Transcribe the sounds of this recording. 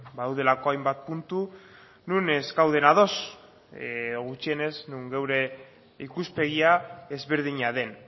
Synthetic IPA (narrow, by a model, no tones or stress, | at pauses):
baðawðe̞lako̞ajmbat̪̚punt̪u | nune̞skawð̞e̞naðo̞s | ɣut͡ʃie̞ne̞znuŋɡe̞wɾe̞ | ikuspe̞ɣ̞iaezβe̞ɾð̞iɲaðe̞n